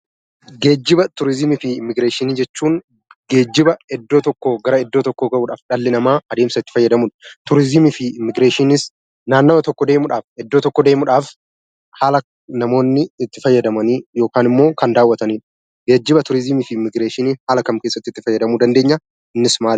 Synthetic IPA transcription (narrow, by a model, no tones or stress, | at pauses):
ɡe̞ːd͡ʒːɪbɐt̪ʊɾɪzɪmɪfɪːmːɪɡɾeːʃɪniːd͡ʒɛt͡ʃːuːŋ | ɡe̞ːd͡ʒːɪbɐɛd̪ːo̞ːt̪ɔkːoːɡɐɾɐɛd̪ːo̞ːt̪ɔkːoːɡɐʔuːᶑaːfᶑɐlːɪnɐmaːɐd̪e̞ːmsɐɪt̪ːɪ̥fɐjːɐd̪ɐmʊnt̪ʊɾɪzɪmɪfɪɪmːɪɡɾe̞ːʃɪnɪs | naːnːoːt̪ɔkːɔd̪e̞ːmʊᶑaːfɛd̪ːo̞ːt̪ɔkːɔd̪e̞ːmʊᶑaːf | haːlɐ | nɐmo̞ːnːɪːt̪ːɪfɐjːɐd̪ɐmɐniːjo̞ːkaːnɪmːo̞ːkɐnd̪aːwːɐt̪ɐniːᶑ | ɡeːd͡ʒːɪbɐt̪ʊɾɪzɪmɪfɪmːɪɡɾeːʃɪniːhaːlɐkɐmke̞ːsːɐt̪ːɪt̪ːɪfɐjːɐd̪ɐmuːd̪ɐnd̪e̞ːɲːa | ɪnːɪsmaːl